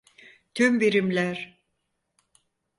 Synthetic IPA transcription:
t̪ʰymbiɾimlʲæɾ̥

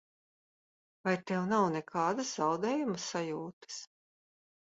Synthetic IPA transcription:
vajt̪ɛwnawnɛkʰɑːd̪ɐszawd̪ɛːjumsajuːt̪ɨ̥s

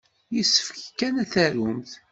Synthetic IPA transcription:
jisːə̥fçkːænæθæɾʊmθ

